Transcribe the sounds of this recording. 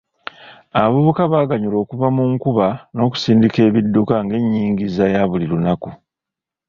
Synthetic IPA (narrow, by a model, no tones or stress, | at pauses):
aββuβukaβaːɡaɲulo̞ːkuβamuŋkuβano̞ːku̥siːndike̞ːβidːukaŋɡe̞ɲːiːŋɡizajaβulilunaku